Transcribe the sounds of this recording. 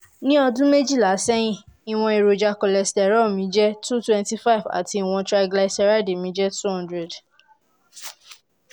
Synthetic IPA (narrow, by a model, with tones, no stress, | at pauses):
nĩ˦ɔ˧dũ˦me˦d͡ʒi˦˨la˨˦sɛ˦j̃ĩ˦˨i˨w̃ɔ̃˧i˨ɾo˨d͡ʒa˧kɔ˨lɛ˨stɛ˨ɾɔ˦˨mĩ˨˦d͡ʒɛ˦tu˦twɛ̃˧n˦ti˦fa˦i˨va̰˨ti˧i˨w̃ɔ̃˧tɾa˧ɡla˧˨sɛ˧ɾa˦de˨mĩ˨˦d͡ʒɛ˦tu˦hɔ̃˦ndɾɛ˨d